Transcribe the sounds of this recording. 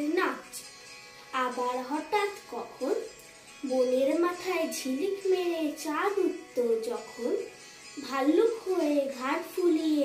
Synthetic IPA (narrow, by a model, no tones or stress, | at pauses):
na | abaɽɦɔʈat̪kɔkʰoɾ | boleɾmat̪ʰaed͡ʒʱilikmeet͡ʃaɾut̪ːod͡ʒɔkʰon | bʱalːukɦoeɡʱaʈpulie